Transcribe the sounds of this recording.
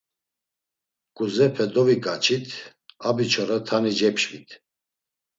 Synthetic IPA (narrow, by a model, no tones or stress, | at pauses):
kʼuzɛpʰɛd̪ɔvikʼat͡ʃʰit̪ʰabit͡ʃʰɔɾat̪ʰanid͡ʒɛpʰʃvit̪ʰ